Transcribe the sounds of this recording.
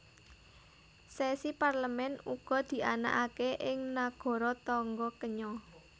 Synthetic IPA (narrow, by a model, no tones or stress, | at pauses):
sɛsiparləmɛnuɡ̥ɔ̤d̪̥i̤ʔana̰ʔakeʔɪŋnaɡ̥ɔ̤ɾɔt̪ɔŋɡɔkəɲɔ